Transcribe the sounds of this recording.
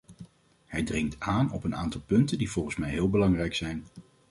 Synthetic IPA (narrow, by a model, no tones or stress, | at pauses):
hɛjdrɪŋktaːnɔpənaːntɑlˠpɵntəndiv̥ɔlˠχən̩smɛjɦɪːlˠbəlɑŋrɛjksɛjn